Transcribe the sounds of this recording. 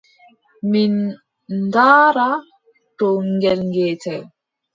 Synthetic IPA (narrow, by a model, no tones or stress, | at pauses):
min | daːɾa | ʈoŋɡɛlŋɡetɛ